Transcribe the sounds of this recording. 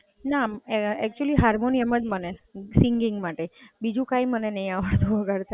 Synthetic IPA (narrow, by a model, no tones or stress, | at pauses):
naɛk̚t͡ʃuəliɦaɾmoniɛməd͡ʒmənesiŋɡiŋɡmaʈebid͡ʒũkaimənenəɦĩaʋəɭt̪ũʋəɡəɾt̪ʰa